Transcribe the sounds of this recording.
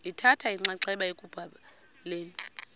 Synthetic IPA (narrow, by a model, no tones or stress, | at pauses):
itʰatʰaiŋ͡ǀaǀɛɓaekʼub̥ʱa | leːni